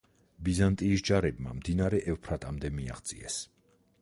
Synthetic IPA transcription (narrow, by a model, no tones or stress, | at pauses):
bizant̪ʼiːsd͡ʒaɾɛb̚ma̰md̪inaɾɛʔɛvpʰɾat̪ʼamd̪ɛmia̰χt̪sʼḭɛ̰s